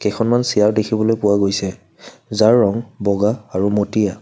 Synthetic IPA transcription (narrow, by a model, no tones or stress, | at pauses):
kɛkʰɔnmansijaɹdekʰibɔlojpʊwaɡojsɛ | zaɹːɔŋbɔɡaːɹumotija